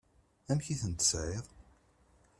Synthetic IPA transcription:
æmçiθənt̪ə̥sʕeðˤ

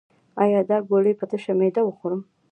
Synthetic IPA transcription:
ɑjɑd̪ɑɡoɽəjpət̪əʃamed̪awəxoɾəm

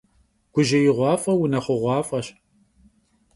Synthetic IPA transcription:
ɡ̥ʷʊʒɐjɪʁʷɑːfʼɐwʊnɐχʷʊʁʷɑːfʼɐɕ

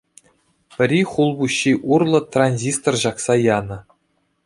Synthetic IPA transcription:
pʲɘ̆rʲiχulˠbuɕːiʔurlˠɤ̆t̪rɑnʲzʲist̪orʑɑksɑjɑnɤ̆

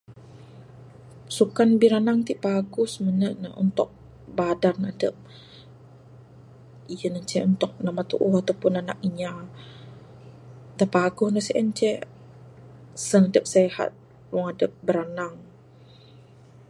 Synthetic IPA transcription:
sukanbiɾanaŋt̪iʔpaɡʊhsmənəʔnəṵnt̪ʊk̚ | badanadəp̚ | ijənəɲt͡ʃɛunt̪ʊk̚namat̪ṵʔuhat̪awpʊnana̰k̚iɲa | t̪apaɡʊhnəhsiʔəɲt͡ʃɛ | sənadəp̚seha̰t̪̚ | lɔŋadəp̚bəɾanaŋ

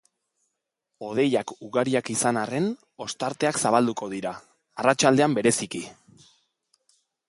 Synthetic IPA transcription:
o̞ð̞e̞jakuɣaɾiakisanare̞n | o̞st̪aɾt̪e̞aksaβ̞ald̪uko̞ðiɾaː | rat͡ʃald̪e̞ambe̞ɾe̞siki

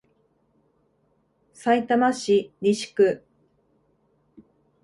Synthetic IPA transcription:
sait̪amaɕiɾʲiɕi̥kɯ̟

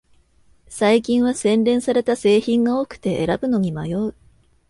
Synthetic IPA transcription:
saikʲĩɰ̃βasẽ̞nɾẽ̞ɰ̃saɾe̞t̪ase̞ːçĩŋɡaokɯ̟̥t̪e̞ʔḛɾabɯ̟no̞ɲ̟imajo̞ɯ

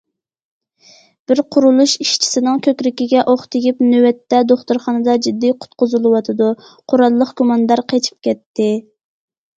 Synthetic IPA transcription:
b̥ɪɾqʰʊɾulˠuʃiʃt͡ʃʰi̥sɪnɪŋkʲʰøkʲɾɪkʲiɡʲɛʔoχt̪ɪɡʲipnøwɛt̪ːɛd̪oχt̪uɾχɑnɨd̪ɑd͡ʒid̪ːiqʰʊ̥t̪̚qʊzɨlˠɨwɑt̪ʰɨd̪u | qʰoɾɑlˠːəχɡumɑnd̪ɑɾqʰet͡ʃʰi̥p̚kʲɛt̪ːɪ

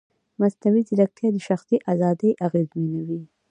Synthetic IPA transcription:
masnawizilak̚t̪jad̪əʃaxsiʔazɑd̪əjʔaɣezminawi

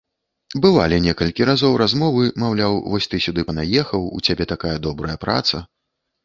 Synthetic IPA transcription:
bɨvalʲinʲɛkɐlʲkʲiɾazɔwɾazmɔvɨmawlʲawvɔsʲt̪ɨsʲud̪ɨpɐnajɛxɐwṵt͡sʲabʲɛt̪akajɐd̪ɔbɾɐjɐpɾa̰t̪sɐ

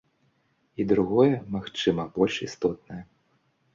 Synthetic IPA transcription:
id̪ɾuɣɔjɛmaxt͡ʂɨmɐbɔlʲʂist̪ɔt̪̚nɐjɐ

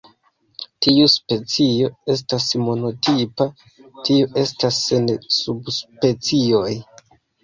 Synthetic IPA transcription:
tiuspe̞t͡sio̞e̞s̬tasmo̞no̞tʰipa | tʰioʔe̞stasːensubspe̞t͡sio̞j

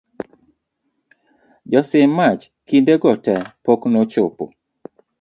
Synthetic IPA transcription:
d͡ʒɔsɪmːat͡ʃ | kindeɡɔtɛpoknot͡ʃopo̰

